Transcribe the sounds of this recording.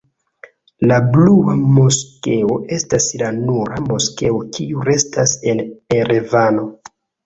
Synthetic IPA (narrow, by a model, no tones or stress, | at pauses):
labluamo̞ske̞o̞ʔe̞staslanuɾamo̞ske̞okʰiuɾe̞stase̞neɾevano̞